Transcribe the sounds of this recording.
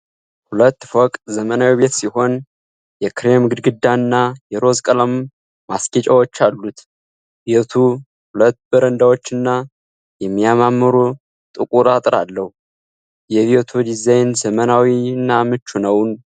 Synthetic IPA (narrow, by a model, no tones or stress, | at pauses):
hulət̪ːfɔkʼzəmənawiβe̞t̪siho̞n | jɛkɨɾe̞mɡɨd̪ɡɨd̪ːanːajɛɾo̞zkʼələmː | asket͡ʃʼawot͡ʃːalːut̪ | biot̪ʰu | hulət̪ːbəɾənd̪awo̞t͡ʃːɨnːa | jɛmːijamamːɨɾu | t̪ʼɨkʼuɾat̪ʼɾa̰lːəhu | jɛβiot̪ʰud̪izajnzəmənawinːamɨt͡ʃːunəwn